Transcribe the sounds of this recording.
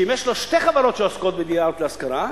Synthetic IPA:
imjeʃloʃteχavaɾo̞t̪ʃeoskot̪̚bed̪ijaot̪leaskaɾa

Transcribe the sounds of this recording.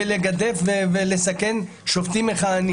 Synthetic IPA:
eleɡad̪e̞fvevelesake̞n | ʃoft̪imeχaːni

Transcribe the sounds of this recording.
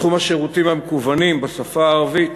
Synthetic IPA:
χumhaʃeʁut̪imamekuvanimbasafaːʁavi

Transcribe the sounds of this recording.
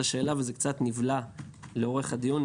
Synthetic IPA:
aʃe̞ːlavezekt͡sat̪nivla | leo̞ʁe̞χad̪ijun

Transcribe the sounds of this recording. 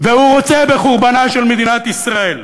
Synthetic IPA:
vehuʁot͡sebe̞χuʁbanaʃelmed̪inat̪isʁae̞l

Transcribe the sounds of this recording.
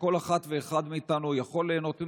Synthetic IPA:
ko̞laχat̪ve̞ːχad̪miːt̪anujaχo̞leːno̞t̪i

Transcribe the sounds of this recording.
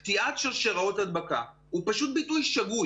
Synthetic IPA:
t̪iʔatʃelʃeʁaotad̪baka | upaʃut̪̚bitujʃaɡu

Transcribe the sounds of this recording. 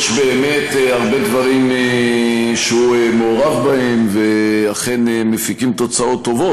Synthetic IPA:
ʃbeːme̞t̪eaʁbe̞d̪vaʁime | ʃeuemeoʁavbahe̞mveaχe̞nemefikimt̪o̞t͡sao̞t̪ːo̞vo

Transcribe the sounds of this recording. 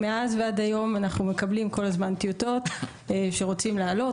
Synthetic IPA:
meazveadajo̞manaχnume̞kablimko̞lazmant̪ijot̪o̞t̪ | ʃe̞ʁo̞t͡simleːlo

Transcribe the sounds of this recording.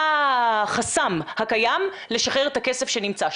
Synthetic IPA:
aχasamhakajam | leʃaχeʁet̪akese̞fʃe̞nimt͡sa

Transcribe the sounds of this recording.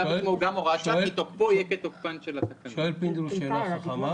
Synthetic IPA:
aimoɡamoʁaʃait̪opojeket̪ok̚panʃelasakaʃoelpind̪ulʃeːaχaχama

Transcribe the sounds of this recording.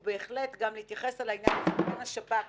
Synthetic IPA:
be̞ːχle̞t̪ɡamlehit̪jaχe̞salainjanzbenaʃapa

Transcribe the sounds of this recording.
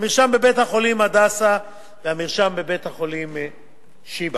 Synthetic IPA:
miʁʃambebethaχo̞limad̪asa | veamiʁʃambebet̪haχo̞lim | ʃiba

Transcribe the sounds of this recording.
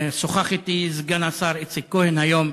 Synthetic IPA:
soχaχit̪izɡanasaɾit͡sikohenhajom

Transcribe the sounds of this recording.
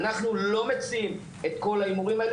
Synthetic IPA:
naχnulo̞me̞t͡siim | e̞t̪ko̞laimuʁimhael

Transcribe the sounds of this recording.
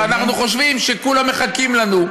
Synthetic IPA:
anaχnuχo̞ʃ̬vimʃe̞kulame̞χakimlanu

